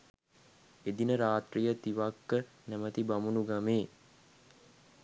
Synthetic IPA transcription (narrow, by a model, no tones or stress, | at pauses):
ed̪inəɾaːt̪rijət̪iʋakːə | næmət̪ibamunuɡameː